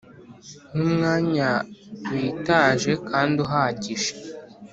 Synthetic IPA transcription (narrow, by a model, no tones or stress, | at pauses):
numŋaːɲawiːtaʒe̞kʰaːnduɦaɟiʃe̥